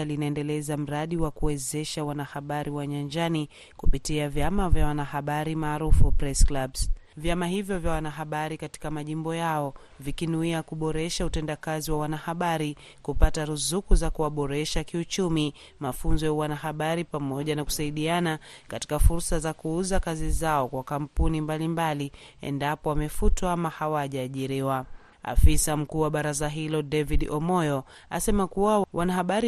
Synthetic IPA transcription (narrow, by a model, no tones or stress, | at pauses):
alinaɛndɛlɛzam̩ɾaɗiwakuwɛzɛʃawanahaɓaɾiwaɲand͡ʒani | kupitiavjamavjawanahaɓaɾimaːɾufupɾɛsklaɓsvjamaɦivjɔvjawanaɦaɓaɾikati̥kamaʄimbɔjaɔ | vikinuiakuɓɔɾɛʃautɛndakaziwawanahaɓaɾi | kupataɾuzukuzakuwaɓɔɾɛʃakiut͡ʃumi | mafunzɔjawanahaɓaɾipamɔʄanaku̥saiɗiana | kati̥kafuɾsazakuuzakazizaɔkwakampunimbalimbaliɛ̰ndapɔwamɛfutwaamahawaʄaːʄiɾiwa | a̰fisam̩kuːwaɓaɾazaɦilɔdɛviɗɔmɔjɔ | a̰sɛmakuwawʔanahaɓaɾi